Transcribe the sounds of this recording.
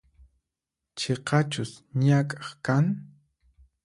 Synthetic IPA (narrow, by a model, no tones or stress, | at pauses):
t͡ʃeqɑt͡ʃʊsɲakʼɑ̥χkaŋ